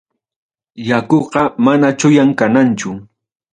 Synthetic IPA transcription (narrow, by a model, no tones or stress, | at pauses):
jakoɢɑmanat͡ʃʊjaŋkanant͡ʃʊ